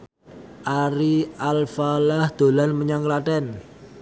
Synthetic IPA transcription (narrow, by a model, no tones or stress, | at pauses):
ʔaɾialfalahd̪̥o̤lanməɲaŋklaʈɛn